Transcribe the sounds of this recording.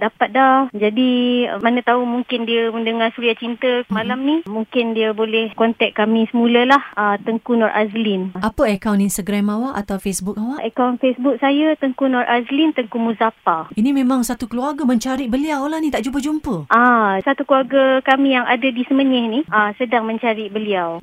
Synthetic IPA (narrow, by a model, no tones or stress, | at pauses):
dapat̪̚dad͡ʒadimanət̪aumuŋkɪndiaməndəŋasuɾiat͡ʃint̪əəmãlamnĩmuŋkɪndiabolɛhkɔnt̪ɛk̚kamĩsəmuləlahət̪əŋkunɔrʔa̰zlinʔapəəkawninst̪aɡɾamawaʔat̪awfesbuk̚awaʔəkawnfesbuk̚sajat̪əŋkunɔrʔazlint̪əŋkumuzapainĩmẽmãŋsat̪ukəluarɡamə̃ɲt͡ʃaɾibəliawlahnĩt̪aʔd͡ʒup̬əd͡ʒumpəʔasat̪ukəluarɡakamijaŋʔadadisəməɲɛhniʔasədaŋmə̃ɲt͡ʃaɾibəliaw